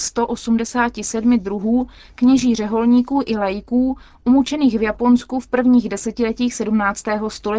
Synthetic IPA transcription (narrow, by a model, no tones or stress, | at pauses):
st̪o̞ʔosumdɛsaːcɪsɛdmɪdɾuɦuː | kɲɛʒiːr̝ɛɦo̞lɲiːkuːʔɪlɛjɪkuː | ʔumut͡ʃɛniːxvjapo̞nskufpr̩vɲiːɣdɛsɛcɪlɛciːxsɛdumnaːt͡st̪ɛːɦo̞st̪olɛ